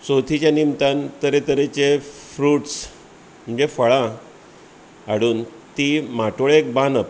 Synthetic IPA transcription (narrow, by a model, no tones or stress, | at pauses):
sot̪ʰit͡ɕjanimt̪ãnt̪əɾet̪əɾet͡ɕefɾuːʈs | m̤əɲd͡ʑefəɭã | aɽuːnt̪imaʈoɭek̚banəp